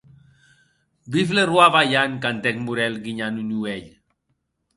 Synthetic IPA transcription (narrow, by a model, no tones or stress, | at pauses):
biflerwaβajaŋkant̪ɛkmuɾɛlɡiɲanunuɛʎ